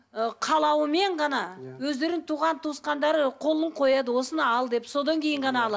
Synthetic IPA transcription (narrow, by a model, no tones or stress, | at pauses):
əqʰɑlˠɑwəme̞ɴʁɑnɑwɵzd̪e̞ɾɪŋt̪ʰuʁɑnt̪ʰusqɑnd̪ɑɾəqʰo̞lˠəɴqʰo̞jɑd̪əwo̞sənɑɑlˠd̪e̞pso̞d̪ɑŋkʲʰe̞jɪɴʁɑnɑːlˠɑ